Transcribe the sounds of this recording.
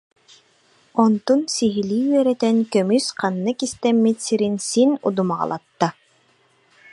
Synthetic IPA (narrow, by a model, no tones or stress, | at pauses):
ɔnt̪unsiɦiliːɥɛɾɛt̪ɛnkœmysqanːɯkist̪ɛmːit̪siɾinsinṵd̪umaʁa̰lˠa̰t̪ːa